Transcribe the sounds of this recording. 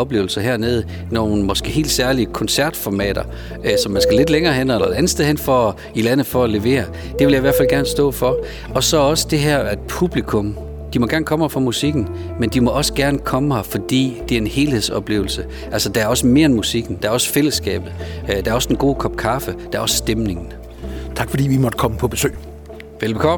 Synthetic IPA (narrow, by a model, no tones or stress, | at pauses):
ɒ̽b̥le̝ːʊl̩sɐɦeɐ̰neð̞ˠə | no̝ːn̩mɒ̽sɡ̥e̝̰ːhe̝̰ːld̥sæɐliəkʰɒ̽nsæɐd̥fɒmɛ̰ːd̥ɐ | sɒ̽mːænsɡ̥æle̝d̥leŋɐːɦen̰̥ɐelɐænð̩steðˠhenfɒ | ilænð̩ˠfɒ̽æle̝ʋe̝̰ːɐ | d̥e̝ʋe̝ljɑ̈iʋæɐfælɡæɐnsd̥ɔ̰ːfɒ̽ | ɒ̽sɒ̽ɒ̽sə̥d̥e̝ɦæɐ̰æd̥pʰub̥likʰɔ̽m | d̥imɒ̽ɡ̥æɐnəkʰɒ̽mhɑfʁɒɑmusiɡ̥n̩ | mend̥imɒ̽ʔɒ̽sə̥ɡ̥æɐnəkʰɒ̽məhɑfɒ̽d̥ḭːd̥e̝æɐe̝nhe̝ːlhe̝ð̰ˠsɒ̽b̥le̝ːʊl̩sə | ʔælsɐd̥ææɐɒ̽səme̝ːɐenmusiɡ̥n̩d̥ææɐɒ̽sə̥fel̰əsɡ̥ɛ̰ːb̥ð̩ˠd̥æɐɒ̽səd̥enɡ̥o̝̰ːkʰɒ̽b̥̚kʰɑ̈fəd̥æɐɒ̽ssd̥emne̝ŋn̩ | t͡sʰɑ̈ɡ̥fɒd̥ḭːʋimɒd̥əkʰɒ̽məpʰɒ̽b̥e̝sø̰ː | ʋelbekʰɒ